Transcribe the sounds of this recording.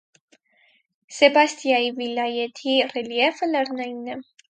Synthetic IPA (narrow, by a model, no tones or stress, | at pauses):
sɛbast̪ijaivilʲajɛt̪ʰirɛljɛfəlɛrnɛjnːɛ